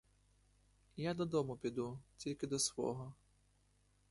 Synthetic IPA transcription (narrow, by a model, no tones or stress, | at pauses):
jad̪ɔd̪ɔmʊpʲid̪utʲilʲkɪd̪ɔsʋɔ̰ɦɔ